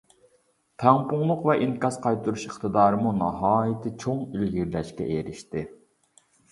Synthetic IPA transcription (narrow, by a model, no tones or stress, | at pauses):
p̪ʰɛŋpʰʊŋlˠʊqvɛʔiŋkɑzqʰɑjt̪uɾuʃiχt̪ɨd̪ɑːɾɨmunɑ̰ɦɑːjɪt̪ʰɪt͡ʃʰoŋilɡʲiɾlɛʃkʲɛ̰ʔeɾɪʃt̪ɪ